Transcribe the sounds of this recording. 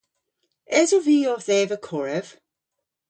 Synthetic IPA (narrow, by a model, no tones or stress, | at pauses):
ɛzoviːɔθɛːvəkʰɔɹəv̥